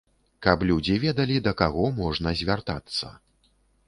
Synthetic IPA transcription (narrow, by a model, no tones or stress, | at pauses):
kɐplʲud͡zʲivʲɛd̪ɐlʲid̪ɐkaɣɔmɔʐnɐzʲvʲart̪a̰t̪sːɐ̰